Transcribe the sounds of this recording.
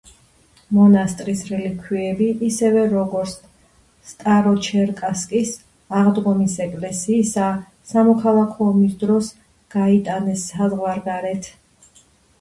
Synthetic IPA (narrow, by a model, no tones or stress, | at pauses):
mɔnast̪ʼɾisɾɛlikʰwiɛbiʔːsɛvɛɾɔɡɔɾt̪s | st̪ʼaɾɔt͡ʃʰɛɾkʼaskʼis | aʁd̪ʁɔmisɛkʼlɛsiːsa | samɔkʰalˠakʰɔːmisd̪ɾɔs | ɡ̥ait̪ʼanɛsazʁwaɾɡaɾɛt̪ʰ